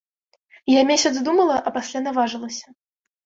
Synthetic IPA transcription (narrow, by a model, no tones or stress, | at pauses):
jamʲesʲɐd̪zd̪umɐlˠɐʔɐpasʲlʲanavaʐɨlˠɐsʲɐ̥